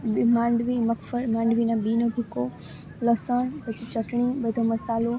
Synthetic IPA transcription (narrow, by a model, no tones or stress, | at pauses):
mãːɳɖʋimɐkfəlmãːɳɖʋinãɓiːnobʱɪko | lɐsəɳ̃pɐt͡ɕit͡ɕɐʈɽ̃iɓɐd̪ʱomɐsaːlo